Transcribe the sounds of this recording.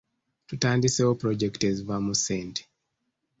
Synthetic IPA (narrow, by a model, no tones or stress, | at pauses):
tutandiseopɾɔd͡ʒɛktezvamusɛnd